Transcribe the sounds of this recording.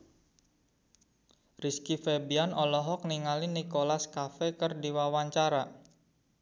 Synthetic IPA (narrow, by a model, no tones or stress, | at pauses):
riskifebianɔlɔɦɔk̚niŋalinikolaskafɛkərdiwawaɲt͡ʃaɾa